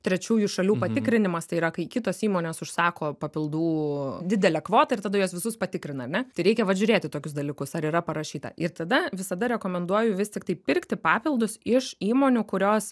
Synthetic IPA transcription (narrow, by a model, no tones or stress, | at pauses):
t̪ʲɾʲɛt͡ʃʲuːjʊʃɐlʲuːpɐt̪ʲɪkɾʲɪnʲɪmɐst̪ɐɪiːɾɐkɐɪkʲɪt̪oːsiːmoːnʲeːsʊʃsɑːkoːpɐpʲɪlˠd̪uːd̪ʲɪd̪ʲɛlʲɛkʋoːt̪ɐɪrt̪ɐd̪ɐjoːsʋʲɪsʊspɐt̪ʲɪkɾʲɪnɐɾnʲɛt̪ɐɪɾʲɛɪkʲɛʋɐʒʲʊɾʲeːt̪ʲɪt̪oːkʲʊs̬d̪ɐlʲɪkʊsɐɾiːɾɐpɐɾɐʃʲiːt̪ɐ̰ʔɪɾt̪ɐd̪ɐʋʲɪsɐd̪ɐɾʲɛkoːmʲɛnd̪uɔjʊʋʲɪst̪ʲɪkt̪ɐɪpʲɪɾkt̪ʲɪpɑːpʲɪlˠd̪ʊsɪʃiːmoːnʲʊkʊɾʲoːs